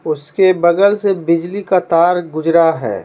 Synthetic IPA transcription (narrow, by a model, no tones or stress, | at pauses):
ʊskebɐɡəlsebɪd͡ʒlikat̪aːɾɡʊd͡ʒɾaɦɛ̰ː